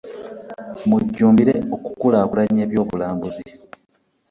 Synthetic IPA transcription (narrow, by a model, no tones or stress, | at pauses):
muɟːuːmbiɾeo̞ku̥kulaːkulaɲe̞ːβjo̞ːβulaːmbuzi